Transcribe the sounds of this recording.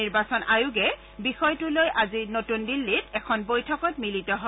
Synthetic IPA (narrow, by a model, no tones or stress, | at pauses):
iɹbasɔnʔajʊɡɛ | bixɔjtʊlojʔazinotundilːitɛkʰɔnbojtʰɔkɔt̚militɔɦɔ